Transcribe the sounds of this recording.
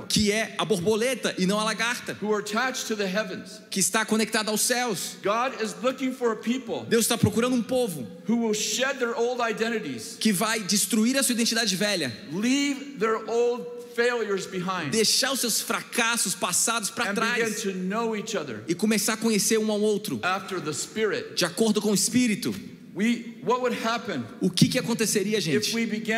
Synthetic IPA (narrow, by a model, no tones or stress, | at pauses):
kʰɪɛaboɾbolet̪ɐʔɪnɐ̃w̃alaɡaɾt̪ɐhuə˞ətʰæt͡ʃtʰɨðɨɦɛvɨ̃nz̥kɪːst̪akõnek̚t̪ad̪ʊawsɛwsɡ̥ɑɾɪzlʊkɪ̃ŋfə˞əpʰipl̩ˠd̪ewzɪst̪apɾokuɾɐ̃nd̪ʊũpovʊ | huwɪlˠʃɛd̪̚ðə˞oʊlˠdaɪdɛ̃ɾ̃ɨɾiz̥kɪvajd͡ʒɪst̪ɾuiɾɐsuɐid̪ẽnt͡ʃid̪ad͡ʒɪvɛʎɐ | livðə˞ʔoʊlˠd | feɪlˠjə˞zbɨɦãɪ̃nd̪ejʃaɾʊsewsfɾakasʊspasad̪ʊspɾãnt̪ɾajɪ̃ntʰɨnoʊit͡ʃʌðə̰˞ɪkõmesaɾakõɲeseɾũawowt̪ɾʊæftə˞ðəspɪɹɪt̚d͡ʒɪakoɾd̪ʊkõʊɪspiɾit̪ʊ | wiwʌt̚wəd̚hæpɨ̃nʊkɪkɪakõnt̪eseɾiɐaʒẽt͡ʃɪ̥wibɨɡɪ̃